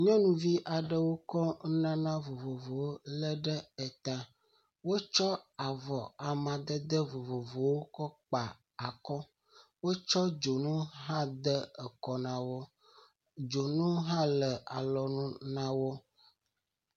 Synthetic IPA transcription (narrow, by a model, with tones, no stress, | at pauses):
ɲɔ̃˦nũ˦vi˦ʔa˨ɖə˦wo˦kɔ˦nã˦nã˦vo˨vo˨vo˨wo˦lə˦ɖə˦ə˨t̪a˦ | wo˦t͡ʃɔ˦a˨vɔ˨a˨mã˨d̪ə˦d̪ə˦vo˨vo˨vo˨wo˦kɔ˦k͡pa˨ | a˨kɔ˦ | wo˦t͡ʃɔ˦d͡ʒo˨nũ˦ɦã˦d̪ə˦ə˨kɔ˨nã˨wo˦ | d͡ʒo˨nũ˦ɦã˦lə˨a˨lɔ˨nũ˦nã˦wo˦